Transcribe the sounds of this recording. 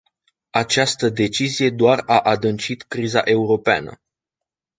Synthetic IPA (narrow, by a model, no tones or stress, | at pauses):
at͡ʃast̪əd̪e̞t͡ʃizije̞d̪oaraʔad̪ɨnt͡ʃit̪kɾiza̰ʔe̞uɾo̞pea̰nə̰